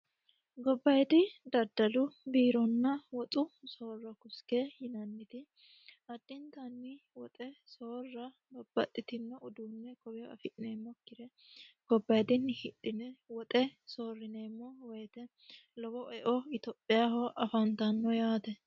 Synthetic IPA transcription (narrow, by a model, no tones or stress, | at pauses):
ɡɔbːɐjd̪ɪd̪ɐd̪ːɐlʊbiːɾɔnːɐwɔt̪ʼʊso̞ːrːɐkʊskɛhɪnɐnːɪt̪ɪ | ɐd̪ːɪnt̪ɐnːɪwɔt̪ʼɛsoːrːɐlɔb̥ːɐt̪ʼːɪt̪ɪnːɛʊd̪uːnːɛkɔbɪjɔɐ̰fɪʔɪneːmːɔkːɪɾɛɡ̥ɔbːɐjd̪ɪnːɪhɪᶑɪnɛwɔt̪ʼɛsoːrːɪne̞ːmːɔwɛjt̪ɛ | lɔbɔʔɛʔɔɪt̪ɔpʼːɪjaɦɔʔɐfɐnt̪ɐnːɔjaːt̪ɛ